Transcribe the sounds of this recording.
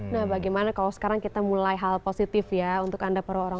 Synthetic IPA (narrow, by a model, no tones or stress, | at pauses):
nahbaɡajmanakalasə̥kaɾaŋkit̪amulajɦalposit̪ɪfjaunt̪ʊkandapəɾaoɾa